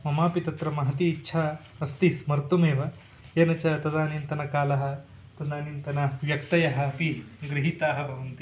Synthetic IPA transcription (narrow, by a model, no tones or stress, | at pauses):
mɐmaːpit̪ɐt̪ɾɐmɐɦɐt̪iːtːʃʰa | ɐst̪ismɐɾt̪umeːʋɐ | eːnɐt͡ʃat̪ɐd̪aːnint̪ɐnɐkaːlɐɦɐ | t̪ɐd̪aːnint̪ɐnɐʋjɐk̚t̪ɐjɐɦɐ̆piɡɾiɦit̪aːɦɐbʱɐʋɐnt̪i